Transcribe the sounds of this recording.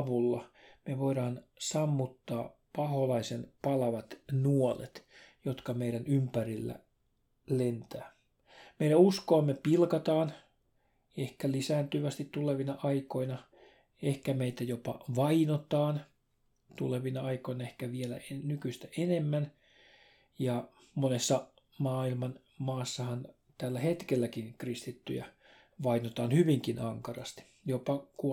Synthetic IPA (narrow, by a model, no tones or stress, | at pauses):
ʋulːɑmeʋoiɾɑːnsɑmːut̪ːɑːpɑholɑisenpɑlɑʋɑt̪nuolḛt̪jot̪kɑmeiɾænympærilːæ̰ | lent̪æː | meiɾæuskoːmːepilkɑt̪ɑːn | ehkælisæːnt̪yʋæst̪it̪t̪uleʋinɑʔɑiko̞inɑ | ehkæmeit̪æjopɑ̰ʋɑinot̪ɑːn | t̪uleʋinɑɑikoinɑehkæʋielæ̰enykyst̪æʔenemːæn | jɑ | monesːɑ | mɑːilmɑn | mɑːsːɑhɑn | t̪ælːæhet̪kelːækinkrist̪it̪ːy̰jæ̰ | ʋɑinot̪ɑːnhyʋiŋkinɑŋkɑrɑ̰st̪i̥ | jopɑku